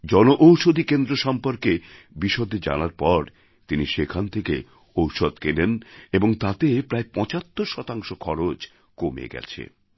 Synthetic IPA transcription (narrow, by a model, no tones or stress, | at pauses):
d͡ʑɔnoʔowʃod̪ʱikend̪ɾoʃɔmpoɾke | biʃod̪ed͡ʑa̰naɾpɔɾ | t̪iniʃekʰant̪ʰeke | owʃod̪keneneboŋt̪at̪epɾaepɔ̃t͡ɕat̪ːoɾʃɔt̪aŋʃokʰɔɾod͡ʑ | komḛɡɛ̰t͡ɕʰḛ